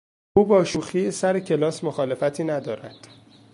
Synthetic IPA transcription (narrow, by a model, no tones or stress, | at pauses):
uːbɒːʃuːxiːesæɾecʰe̞lɒːsmoxɒːle̞fæt̪ʰiːnæd̪ɒːɾæd̪̥